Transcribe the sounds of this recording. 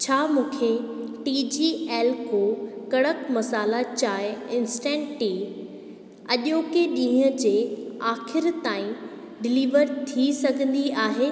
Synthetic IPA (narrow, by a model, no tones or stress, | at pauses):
t͡ɕʰaːmũːkʰe | ʈiːd͡ʑiːeːlkoːkɐɽəkmɐsaːlat͡ɕaːɪɪ̃nsʈɛ̃ːɳʈʈiː | ɐʄoːkeɗĩːɦə̃d͡ʑeːaːxɪɾt̪aːĩ | ɖɪliːʋəɾt̪ʰisɐɡʱə̃nd̪iaːɦeː